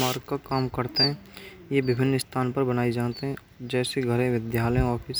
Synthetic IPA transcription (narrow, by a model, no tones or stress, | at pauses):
maːɾɡkakaːmkɐɾt̪eɦɛ̃ː | jeʋɪbʱɪnːɪst̪ʰaːnpɐɾbɐnaːid͡ʒaːt̪eɦɛ̃ | d͡ʒɛːseɡʱəɾẽʋɪd̪jaːləẽɔːɾfʰɪɾs